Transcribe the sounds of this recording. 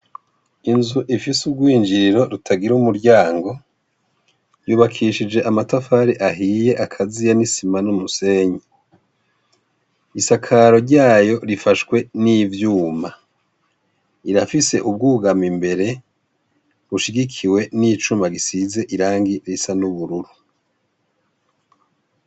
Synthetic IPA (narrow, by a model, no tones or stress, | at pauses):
inzuʔifisub̚ɡwiːnd͡ʒiɾiɾo̞ɾutʰaɡiɾumuɾɟaːŋɡo̞ | juːβakʰiʃid͡ʒe̞ʔamatafaɾiʔaɦije̞ʔakʰazijanisimanumuse̞ːɲi | isakʰaɾo̞ɾɟaːjo̞ɾifaʃkwe̞nivjuːma | iɾafise̞ʔub̚ɡuːɡamimbe̞ɾe̞ | βuʃiɡikʰiwe̞nit͡ʃumaɡisize̞ʔiɾaːŋɡiɾisanuβuɾuɾu